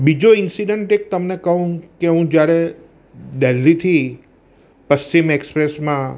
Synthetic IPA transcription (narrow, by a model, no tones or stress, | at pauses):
bid͡ʒoɪnsiɖeɳʈek̚t̪əmnekəɦũkeɦũd͡ʒjaɾe | ɖelːit̪ʰi | pəst͡ʃimekspɾesmã